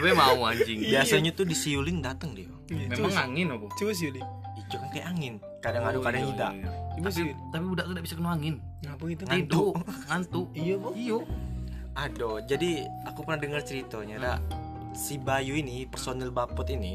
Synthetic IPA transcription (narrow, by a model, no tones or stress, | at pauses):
bɛmauad͡ʒɪŋbiasaɲat̪ʊdisiulɪŋdat̪əŋdi | memaŋaŋɪnobɔt͡ʃibas̬iulɪŋ | id͡ʒukankajaʔaŋɪn | kadaŋadukadaŋidaʔat̪apiudaʔk̪udaʔbisakənuaŋɪn | apait̪ŋid̪ʊuŋant̪ʊʔoijo | adod͡ʒadiakupərnahdəŋərt͡ʃəɾit̪oɲada | sibajuinipərsonɛlbapɔt̪ini